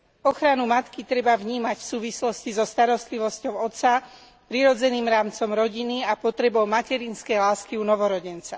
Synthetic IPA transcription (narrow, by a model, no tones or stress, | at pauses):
ɔxɾanumat̪kit̪ɾɛbavɲiːmacfsuːʋislɔscizɔst̪aɾɔst̪liʋɔscɔʊɔt̪t͡sa | pɾiɾɔd͡zɛniːmɾaːmt͡sɔmɾɔɟiniapɔt̪ɾɛbɔʊmacɛɾinskɛjlaːskiunɔʋɔɾɔɟɛnt͡sa